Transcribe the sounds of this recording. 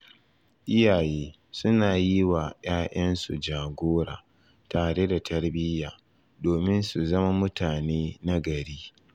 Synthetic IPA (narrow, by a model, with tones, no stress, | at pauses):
ʔɪ˦jaː˨jeː˦ | sʊ˦naː˨ji˦wa˨jaː˦ʔɐ˦nsṵ˨d͡ʒaː˨ɡʷoː˦ɾa̰ː˨ | taː˨ɽe˦da˨tʰɐ˦ɽbɪ˦jaː˨ | doː˨mɪ˦nsu˨zɐ˦ma˦mʊ˦taː˨neː˦na˦ɡɐ˨ɽiː˦